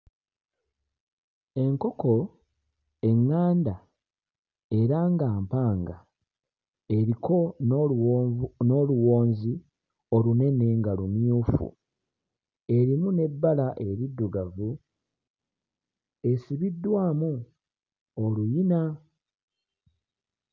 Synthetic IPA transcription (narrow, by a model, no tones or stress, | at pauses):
e̞ŋko̞ko̞ | e̞ŋːaːnda | e̞ɾaŋɡaːmpaːŋɡa̰ | e̞ɾikʰo̞ | no̞luwo̞ːnzi | o̞lune̞ne̞ŋɡalumjuːfṵ | e̞ɾimune̞bːalaʔe̞ɾidːuɡavu | e̞siβidːwaːmu | olujina